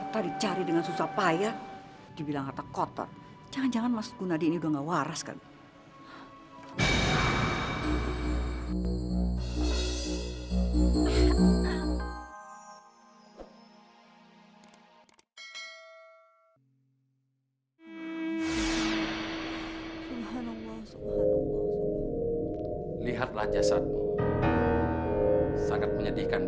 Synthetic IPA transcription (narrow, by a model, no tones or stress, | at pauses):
t̪adit͡ʃaɾidəŋansusapaja | d̥ibilaŋat̪akɔt̪ɔ̰t̪̚ | d͡ʒaŋand͡ʒaŋanmasɡ̥unadiːniudaŋɡawaɾaska̰lu | subɦanalːasuba | liɦat̪̚lahd͡ʒasat̪̚ | saŋat̪̚məɲadikan